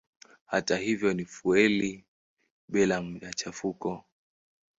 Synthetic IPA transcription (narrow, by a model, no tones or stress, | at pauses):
hatahivjɔnifuɛli | ɓɛlam̩jat͡ʃafukɔ